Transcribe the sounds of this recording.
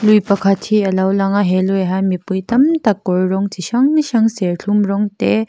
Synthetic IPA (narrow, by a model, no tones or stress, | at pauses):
lujpɐkʰatʰiɐlawlaŋaɦelɔɦajmipujtɐmtakɔɹɾɔŋtʰiʃaŋniʃɐŋseɾɬʰumɾɔŋte